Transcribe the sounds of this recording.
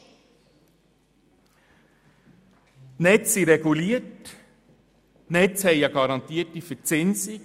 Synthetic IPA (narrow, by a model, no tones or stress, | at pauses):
nɛt͡siɾɛɡuliːət | nɛtt͡shɛɪjɑɡɑɾɑnt̪iːtifət͡sɪnsɪ